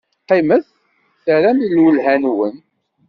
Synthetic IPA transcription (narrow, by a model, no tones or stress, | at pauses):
qiməθ | θəɾæmilwəlɦænwən